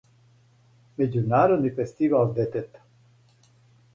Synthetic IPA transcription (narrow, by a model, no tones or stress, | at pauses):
med͡ʒunaɾonifest̪ivald̪et̪et̪